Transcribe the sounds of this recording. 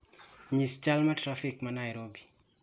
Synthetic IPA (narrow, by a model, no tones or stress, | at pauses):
ɲist͡ʃalmɐtɾafikmɐnajɾobi